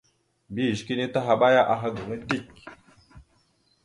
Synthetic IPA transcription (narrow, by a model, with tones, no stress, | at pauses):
bi˦˨ʃki˦ni˦ta˦ɦa˨ɓa˦ja˦ʔa˨ɦa˦ɡu˨ŋə˦ti˦˨k̚